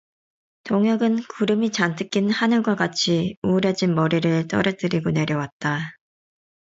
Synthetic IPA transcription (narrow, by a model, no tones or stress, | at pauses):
toŋjʌɡɯnkuɾɯmit͡ɕantʰɯk͈inhanɯɭɡwak͈at͡ɕʰiuɾjʌd͡ʑinmʌɾiɾɯɭt͈ʌ̰ɾʌt͈ɯɾiɡone̞ɾjʌwat̚t͈a